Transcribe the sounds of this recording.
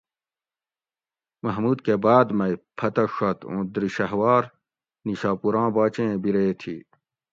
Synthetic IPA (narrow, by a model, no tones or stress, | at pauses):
mɐɦmuːd̪kebaːd̪mɐipʰɐt̪ɐʂɐt̪õ̰ːd̪ɾiɕɐɦwaːɾ | niɕaːpuɾãːbaːt͡ɕẽːbiɾeːt̪ʰiː